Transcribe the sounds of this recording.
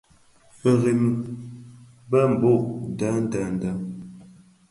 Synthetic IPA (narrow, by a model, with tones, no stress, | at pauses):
ə˨ɣi˨m | bə˦m̩˨bo˦˨ʔda˨˦n̩˦da˨˦n̩˨˦da˦